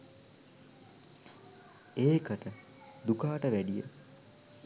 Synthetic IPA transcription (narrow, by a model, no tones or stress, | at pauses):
eːkəʈə | d̪ukaːʈəʋæɖijə̰